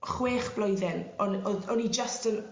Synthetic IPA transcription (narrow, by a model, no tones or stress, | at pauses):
χweːχb̥lɔjðɛnɔnɔɔnid͡ʒəstən